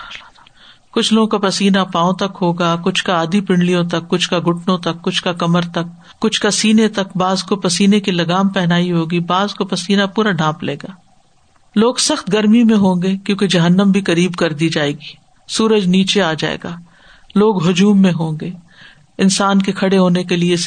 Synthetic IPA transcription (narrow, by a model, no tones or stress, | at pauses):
kʊt͡ʃʰloːõkapɐsiːnapãːõt̪ɐkɦoːɡakʊt͡ʃʰkaaːd̪ipɪ̃ɳɖlijõt̪ɐkːʊt͡ʃʰkaɡʱʊʈʰnõt̪ɐkːʊt͡ʃʰkakɐməɾt̪ɐkː | ʊt͡ʃʰkasiːnet̪ɐkbaːzkopɐsiːnekilɐɡaːmpɛɦnaːiɦoːɡibaːzkopɐsiːnapuːɾaɖʱãːplḛːɡaː | loːɡsɐxt̪ɡɐɾmimẽɦõːɡeːkjõːked͡ʒɐɦənːəmbʱikɐɾiːbkɐɾd̪iːd͡ʒaːeːɡiː | suːɾəd͡ʒniːt͡ʃeaːd͡ʒa̰ːḛːɡaː | loːɡɦʊd͡ʒuːmːẽɦõːŋɡeː | ɪnsaːnkikʰɐɽeɦoːnekelie